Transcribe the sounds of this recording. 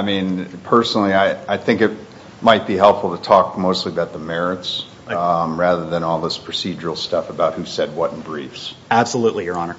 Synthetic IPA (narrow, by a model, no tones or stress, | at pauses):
ɪmĩnpʰɜ˞snl̩ˠiaɪaɪθɪ̃ŋkɨt̚ | maɪt̚b̥iɦɛlˠpfl̩ˠtɨtʰɔk̚moʊstˡliəbaʊt̪̚ðəmɛɹɨts | ɹæðə˞ðɨ̃nɔlˠðɪspʰɹ̥ɨsid͡ʒə˞l̩ˠstʌfəbaʊt̚hʉsɛd̚wʌɾn̩bɹifsæb̥səluʔˡlijə˞ɑnə˞